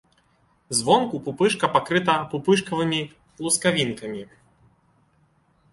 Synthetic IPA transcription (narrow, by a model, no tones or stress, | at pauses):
zvɔmkupupɨʂkɐpakɾɨt̪ɐpupɨʂkɐvɨmʲi | lˠuskavʲinkɐmʲi